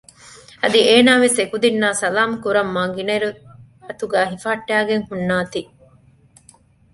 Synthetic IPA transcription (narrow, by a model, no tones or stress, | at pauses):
ɐd̪ieːnaːʋesekud̪inːaːsɐlaːmkuɾɐmːɐːŋɡinɐiɾu | ɐt̪uɡæːɦifaːʈːæːɡeŋhunːaːt̪iː